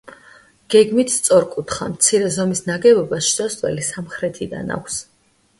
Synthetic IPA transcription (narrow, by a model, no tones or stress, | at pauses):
ɡ̥ɛɡmit̪ʰst̪sʼɔɾkʼut̪ʰχa̰mt̪sʰiɾɛzɔmisnaɡɛbɔbasʃt͡ʃ̪ʼɔst̪ʼvɛ̰lisamχɾɛt̪ʰid̪a̰na̰kʰs